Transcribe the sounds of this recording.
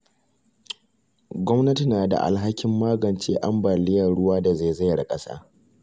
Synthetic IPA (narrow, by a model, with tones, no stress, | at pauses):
ɡʷɔ˦mnɐ˦ti˨naː˨da̰˨ʔa̰˨lɦa˦kʲɪ˦mːaː˦ɡɐ˨nt͡ʃeː˦ʔa˦mbaː˨lɪ˦jɐ˨ɽʊ˦waː˦da˨za˦˨za˦jɽa˨kʼɐ˦sa̰ː˦